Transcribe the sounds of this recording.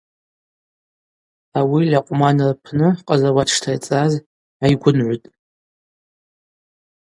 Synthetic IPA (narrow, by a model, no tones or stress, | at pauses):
awilʲaqʷʼmanrpʰnɨqʼazawaʈ͡ʂʰtʰajt͡sʼaz | ajɡʷʊnʕʷʊtʼ